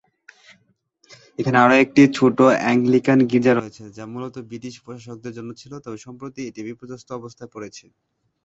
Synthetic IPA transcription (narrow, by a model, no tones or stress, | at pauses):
ekʰaneaɾoek̚ʈit͡ɕʰoʈoɛŋɡlikanɡiɾd͡ʑaɾojet͡ɕʰed͡ʑamulɔt̪obɾiʈiʃpɾoʃaʃok̚d̪eɾd͡ʑonːot͡ɕʰilot̪ɔbeʃɔmpɾot̪ieʈibipɾod͡ʑast̪ʰoɔbost̪ʰaepoɾet͡ɕʰe